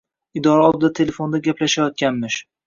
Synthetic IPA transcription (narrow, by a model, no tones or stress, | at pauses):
ɪd̪ɒɾaɒlˠbd̪at̪ʰe̞le̞fo̞nd̪aɡʲapʰlaʃajɒt̪̚kʲanmɪʃ